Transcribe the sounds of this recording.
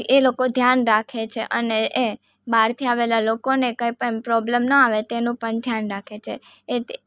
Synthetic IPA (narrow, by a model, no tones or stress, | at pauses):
elokod̪ʱjanɾakʰet͡ʃʰeʔəneʔe | baɾt̪ʰiaʋelalokonekə̃ipəpɾɔblemnəaʋet̪enũpəɳd̪ʱjanɾakʰet͡ʃʰe | e